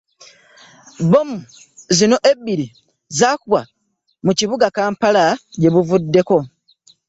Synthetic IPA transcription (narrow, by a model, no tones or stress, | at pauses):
bo̞mu | zino̞ʔe̞bːiɾi | zaːkuwa | muciβuɡakaːmpalaɟe̞βuvudːe̞ko̞